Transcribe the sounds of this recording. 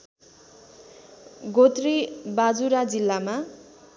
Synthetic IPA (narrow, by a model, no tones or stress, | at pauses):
ɡot̪ribad͡zuɾad͡zilːama